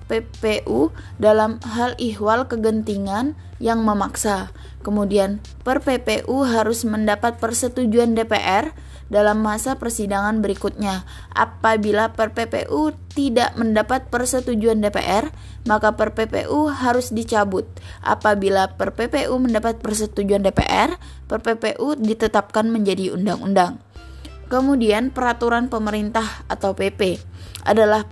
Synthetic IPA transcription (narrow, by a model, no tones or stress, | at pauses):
pepeʔu | dalamɦaliɦwalkəɡənt̪iŋan | jaŋməmaksa | kəmudian | pərpepeʔuɦaɾʊsməndapat̪̚pərsət̪ud͡ʒuandepḛʔɛr | dalamːasapərsidaŋanbəɾikut̪̚ɲa | ʔa̰pabilapərpepḛʔut̪ida̰ʔməndapat̪̚pərsət̪ud͡ʒuandepḛʔɛr | makapərpepḛʔuɦaɾʊsdit͡ʃabʊt̪̚ʔa̰pabilapərpepeʔuməndapat̪̚pərsət̪ud͡ʒuandepḛʔɛr | pərpepeʔudit̪ət̪ap̚kanməɲd͡ʒadiṵndaŋṵndaŋ | kəmudianpəɾat̪uɾanpəməɾint̪ahat̪awpepeʔa̰dalah